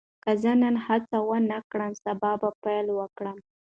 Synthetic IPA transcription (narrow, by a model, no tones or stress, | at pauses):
kazənənhat͡sawənakɽəmsabɑbapajlwəkɽəm